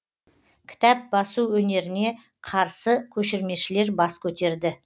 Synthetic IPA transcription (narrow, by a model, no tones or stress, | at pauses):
kʲʰɪ̥t̪æp̚bɑsuwɵne̞ɾɪne̞ | qʰɑɾsəkʲʰɵʃɪɾme̞ʃɪle̞ɾbɑskʲʰɵt̪e̞ɾd̪ɪ